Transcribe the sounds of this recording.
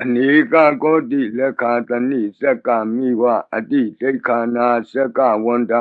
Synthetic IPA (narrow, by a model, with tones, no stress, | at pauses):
a˨ni˨˦ka˦˨kɔ˦di˦˨lɛ˦ka˨ta˨ni˦˨sɛ˦ka˨mi˦˨wa˦˨a̰˨di˦˨te˦i˦kʰa˨˦na˦˨sɛ˦ka˦˨wɔ˦n˦da˦